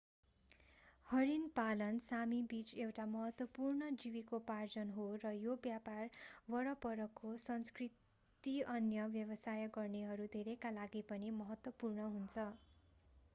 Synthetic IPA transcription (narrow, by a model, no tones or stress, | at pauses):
hʌɾinpalʌnsamibit͡sewʈamʌɦʌt̪wʌpurnʌd͡ziwikopard͡zʌnɦorʌjobjaparwʌɾʌpʌɾʌkːosʌnskrit | t̪iʌnjʌbjʌbʌsajʌɡʌrneɦʌɾud̪ʱeɾekalaɡipʌnimʌɦʌt̪wʌpurnʌɦunt͡sʰʌ